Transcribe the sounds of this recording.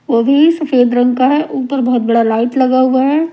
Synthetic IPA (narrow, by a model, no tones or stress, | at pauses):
ʋobʱisɐfeːd̪ɾə̃ŋɡkaɦɛʔʊpəɾbɐɦɔt̪̚bɐɽalaːɪʈlɐɡaɦuaɦɛː